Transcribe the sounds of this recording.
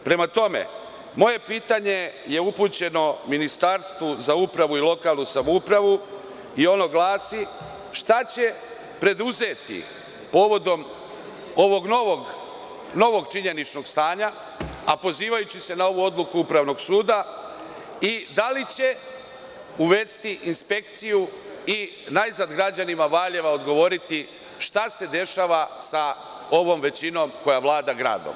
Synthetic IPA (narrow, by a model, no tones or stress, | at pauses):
pɾe̞mat̪o̞me̞̰ | mo̞je̞piːt̪aɲe̞je̞uput͡ɕe̞no̞minist̪aɾst̪ʋozaupɾaʋuilo̞kaːlˠnusamoupɾaʋu | io̞no̞ɡlˠaːsi | ʃt̪at͡ɕe̞ | pɾe̞d̪uze̞t̪ḭ | po̞ːʋo̞d̪o̞m | o̞ʋo̞ɡnoʋoɡ | no̞ʋo̞ɡt͡ʃiɲe̞nit͡ʃno̞ɡst̪aːɲa | apo̞ziːʋajut͡ɕise̞nao̞ʋuo̞d̪lukuupɾaʋno̞ɡsuːd̪a | id̪alit͡ɕe̞ | uʋe̞st̪iʔinspe̞kt̪sijui | najznad̪ɡɾad͡ʑanimaʋaʎe̞ʋao̞d̪ɡo̞ʋo̞ɾit̪i | ʃt̪ase̞d̪e̞ʃaːʋasa | o̞ʋo̞mʋe̞t͡ɕino̞mko̞jaʋlˠaːd̪aɡɾa̰ːd̪o̰m